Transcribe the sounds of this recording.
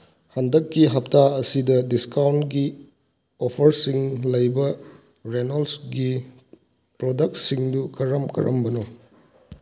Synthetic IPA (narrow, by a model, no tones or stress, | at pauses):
hɐndɐkːiɦɐp̚taɐsidɐdiskawntɡi | opʰɐɾsiŋlɐjbɐ | ɾenɐlsɡi | pɾodɐk̚tsiŋdukɐɾɐmkɐ̰ɾʔɐ̰mbɐno